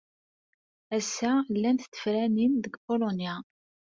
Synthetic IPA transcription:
æsːælːænt̪t̪ːə̥fɾæninðəɡbolonja

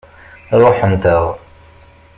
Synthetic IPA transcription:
ɾˤoħənt̪əʁ

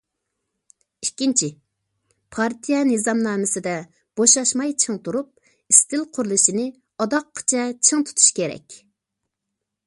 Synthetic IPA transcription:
ikʲːint͡ʃʰi | pʰɑɾt̪ʰijɛnɨzɑmnɑːmɨsɨd̪ɛ | b̥oʃɑʃmɑjt͡ʃʰɨŋt̪ʰuɾup̚ | ist̪ɪlqʰʊɾlˠɨʃinɪ | ɑd̪ɑqʰːə̥t͡ʃʰɛt͡ʃʰɨŋt̪ʰu̥t̪ʰu̥ʃkʲeɾɛ̰kʲ

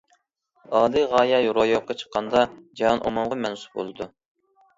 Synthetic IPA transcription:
ɑːlɨʁɑːjɑjoɾojoqːɑt͡ʃʰə̥qʰːɑnd̪ɑd͡ʒɑɑnʔo̰mɑmʁɑmɛnsu̥p̚bo̰lˠɨd̪u

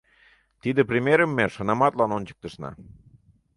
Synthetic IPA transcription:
t̪id̪ĕprʲimʲeɾəmːeʃɤnɑmɑt̪lɑnonʲt͡ɕə̥k̚t̪əʃnɑ̰

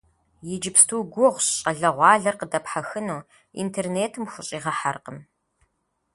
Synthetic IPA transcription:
jɪd͡ʒɪpstʰuːɡʷʊʁʷɕɕʼɐɮɐʁʷɑːɮɐrqədɐpħaxɨnuː | ḭntʰeːrneːtʰɨmxʷʊɕʼiːʁɐħarqəm

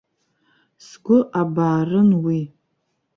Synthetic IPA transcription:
sɡʷʊʔabaːrɨnwi

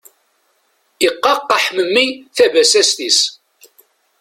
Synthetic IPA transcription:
iqːɑqːɑħməmːiθævæsæst̪is

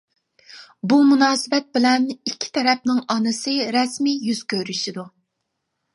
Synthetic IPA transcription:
bumunɑːsɨbɛt̪̚bɪlɛnikʲʰːi̥t̪ʰɛɾɛp̚nɪŋɑnɨsɨɾɛsmijyz̥kʲʰøɾyʃid̪u

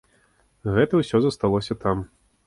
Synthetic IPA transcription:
ɣɛt̪ɐwsʲɔzɐst̪alˠɔsʲɐt̪am

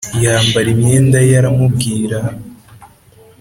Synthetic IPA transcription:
jaːmbaɾimɲe̞ːndajaɾamubɡiːɾa

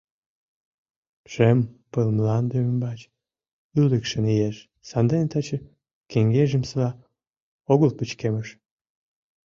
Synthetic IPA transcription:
ʒempəlmlɑnd̪øymbɑt͡ɕ | yləkʃənijeʃ | sɑnd̪enet̪ɑt͡ɕə | keŋɡeʒəmslɑ | oɣəlpət͡ɕkeməʃ

